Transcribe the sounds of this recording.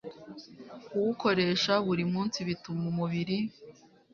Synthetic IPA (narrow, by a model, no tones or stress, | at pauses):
kuwuko̞ɾe̞ːʃaβuɾimuːnsiβitumumuβiɾi